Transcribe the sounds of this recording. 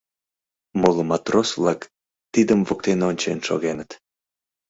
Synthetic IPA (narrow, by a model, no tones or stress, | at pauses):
molomɑt̪rosvlɑk | t̪id̪əmvok̚t̪enonʲt͡ɕenʃo̰ɣenət̪